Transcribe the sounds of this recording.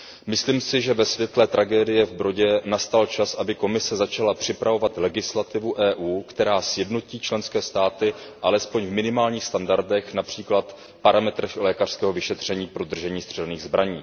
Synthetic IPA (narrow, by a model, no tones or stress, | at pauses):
mɪsliːmsɪʒɛvɛsvjɛt̪lɛt̪ɾʔaɡɛːdɪjɛvbɾo̞ɟɛnast̪alt͡ʃasʔabɪko̞mɪsɛzat͡ʃalapr̥ɪpɾavo̞vat̪lɛɡɪslat̪ɪvuʔɛːʔuːkt̪ɛɾaːsjɛdno̞ciːt͡ʃlɛnskɛːst̪aːt̪ɪʔalɛspoɲvmɪnɪmaːlɲiːxst̪andaɾdɛxnapr̥iːklat̪ | paɾamɛt̪ɾɛxlɛːkar̥skɛːɦovɪʃɛt̪r̝̥ɛɲiːpɾo̞d̪r̩ʒɛɲiːst̪r̥ɛlniːɣzbɾaɲiː